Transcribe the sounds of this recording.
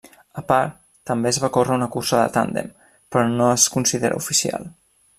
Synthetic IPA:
əpaɾt̪ːəmbezβakorəunəkursəðə̰t̪a̰nd̪ḛm | pɾɔnoəskunsiðeɾə̰ufisia̰lˠ

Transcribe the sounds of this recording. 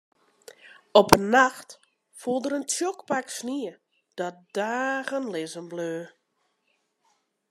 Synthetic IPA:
ɔpənːaxt | fulˠdəɾəntʰjokpaksniə | d̥ɔt̚d̥aːɣənlɪzəmbløː

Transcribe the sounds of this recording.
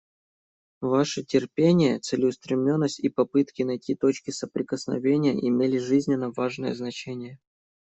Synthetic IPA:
vaʂɨtʲɪrpʲenʲɪjət̪sɨlʲɪʊst̪ɾʲɪmnʲo̞nːəsʲtʲipɐpɨt̪kʲɪnɐjtʲit̪o̞t͡ɕkʲɪsəpɾʲɪkəsnɐ̰vʲenʲɪjə̰ʔɪmʲelʲɪʐɨzʲnʲɪnːəvaʐnəjə̰znɐt͡ɕenʲɪjə

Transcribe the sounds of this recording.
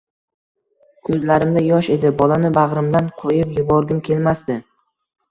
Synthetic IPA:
kʲʰɵzlaɾɪmd̪ajɒʃe̞d̪ɪbɒlanɪbaʁɾɪmd̪anqʰojɪpjʊbɒɾɡ̪ʲɪmkʲʰe̞lmasd̪ɪ

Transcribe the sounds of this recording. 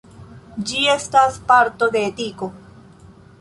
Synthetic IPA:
d͡ʒie̞staspaɾto̞d̪e̞ːtiko̞

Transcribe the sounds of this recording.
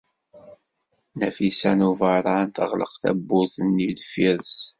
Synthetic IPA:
næfisænuvəɾˤant̪ə̰ʁlə̰qθæ̰bːʊθənːid̪fiɾəs

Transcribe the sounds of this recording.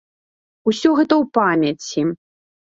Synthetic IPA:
usʲɔɣɛt̪ɐwpamʲɐt͡sʲi

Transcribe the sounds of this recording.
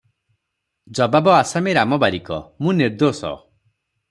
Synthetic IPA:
d͡ʒɔbabɔasameɾamɔbaɾikɔ̰mũniɾd̪osɔ̰

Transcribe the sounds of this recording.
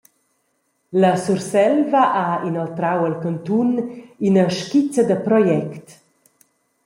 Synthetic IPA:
ləsursɛlvaʔainɔlt̪ɾawəlkənt̪uninəʃkit͡səd̪əpɾɔjɛkt

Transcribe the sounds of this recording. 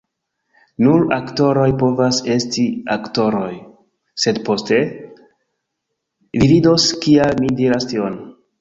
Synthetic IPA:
nuɾakto̞ɾo̞jpo̞vase̞stiakto̞ɾo̞j | se̞dpo̞ste̞ | vivido̞skialmidiɾastion

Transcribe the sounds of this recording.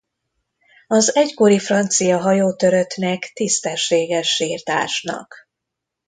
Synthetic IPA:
ɒzɛcko̞ɾifrɒnt̪sijɒɦɒjoːt̪øɾø̞t̪nɛkt̪ist̪ɛʃːeːɡɛʃːiːrt̪a̰ːʃnɒ̰k

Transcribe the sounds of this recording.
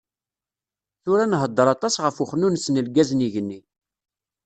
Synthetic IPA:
θʊɾænɦəd̪ˤːəɾˤɑt̪ˤɑsʁəfuχnunsnəlɡæzniʝənːi

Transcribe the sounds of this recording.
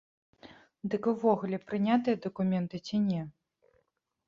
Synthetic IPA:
d̪ɨkvɔɣulʲɛpɾɨnʲat̪ɨjɐd̪ɐkumʲɛnt̪ɨt͡sʲinʲɛ

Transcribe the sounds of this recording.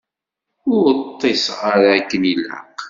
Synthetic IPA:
ʊɾət̪ˤːesʁaɾakːənilə̰q

